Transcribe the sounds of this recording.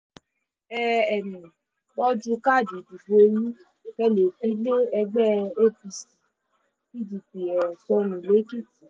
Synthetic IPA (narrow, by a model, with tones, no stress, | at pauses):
ɛ˧ɛ˨nĩ˨ | k͡pɔ˦d͡ʒũ˧ka˦˨di˨di˨fo˦ju˦ | kɛ˦le˨ki˨˦le˦ɛ˧ɡ͡bɛ˦e˦˨pi˧si̥˨ | ki˦˨d͡ʒi˧k͡pi˨ɛ˨sɔ˧nũ˨le˨˦ki˦˨ti˨